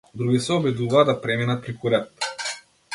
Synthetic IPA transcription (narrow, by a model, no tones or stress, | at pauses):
d̪ɾuɡʲisɛɔbɛd̪uvaːd̪apɾɛminat̪̚pɾikuɾɛt̪